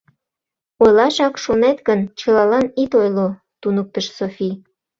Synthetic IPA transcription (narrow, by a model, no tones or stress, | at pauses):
ojlɑʃɑkʃonet̪ɡənt͡ɕəlɑlɑnit̪ojlo | t̪unək̚t̪əʃsofi